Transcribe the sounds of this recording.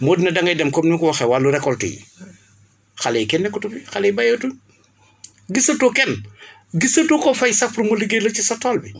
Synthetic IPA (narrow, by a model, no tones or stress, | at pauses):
moːdinɐdɐŋɡɐjdɐmkɔmniŋkuwɐxɛwaːlːuɾɛkːɔltḭjḭ | xalejkɛnːɛkutubixalejbajotun | ɡisɐtokɛn | ɡisɐtukɔfɐjsɐpɾumoliɡelɐt͡ʃisɔtɔːlbi